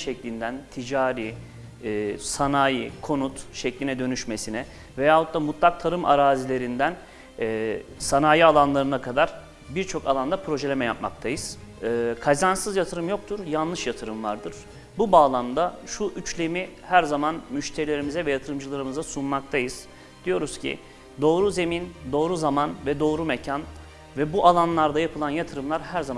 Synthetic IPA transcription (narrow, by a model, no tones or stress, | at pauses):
ʃɛclʲind̪ænt̪ʰid͡ʒaːɾiː | sanaːjikʰo̞nut̪ʃɛclʲinɛd̪ø̞nyʃme̞sinɛ | vejaːot̪̚d̪amut̪ʰlˠak̚t̪ʰaɾɯmʔa̰ɾaːzilʲe̞ɾind̪ænː | sanaːjialˠanlˠaɾɯnakʰad̪aɾ̥ | biɾt͡ʃʰo̞kʰalˠand̪apʰɾo̞ʒɛlʲemɛjap̚ma̰k̚t̪ʰajɯz̥ | ɯːkʰazansɯzjat̪ʰɯɾɯmjo̞k̚t̪ʰuɾjanlˠɯʃjat̪ʰɯɾɯmva̰ɾd̪ɯɾ̥ | bubaːlˠamd̪aʃuʔyt͡ʃlʲemihæɾzamanmyʃt̪ʰe̞ɾilʲe̞ɾimizɛvɛjat̪ʰɯɾɯmd͡ʒɯlˠaɾɯmɯzasunmak̚t̪ʰajɯz̥ | d̪̥ijo̞ɾuz̥cʰḭ | d̪o̞ːɾuze̞mind̪o̞ːɾuzamanvɛd̪o̞ːɾumecʰan | vɛbuʔalˠanlˠaɾd̪ajapʰɯlˠanjat̪ʰɯɾɯmlˠaɾɦæɾzam